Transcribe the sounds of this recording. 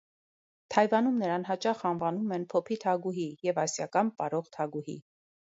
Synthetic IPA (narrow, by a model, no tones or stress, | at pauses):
t̪ʰɑjvɑnumnəɾɑnɦɑt͡ʃɑχɑnvɑnumɛnpʰɔpʰit̪ʰɑɡuɦijɛvɑsjɑkɑnpɑɾɔʁt̪ʰɑɡuɦḭ